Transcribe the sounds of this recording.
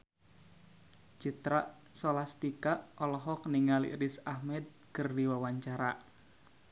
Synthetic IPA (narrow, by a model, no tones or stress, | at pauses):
d͡ʒit̪ɾaʔ | sɔlast̪ikaʔʔɔlɔɦɔk̚niŋalḭʔɾisahmɛd̪̚ | kɨrdiwawaɲt͡ʃaɾaʔ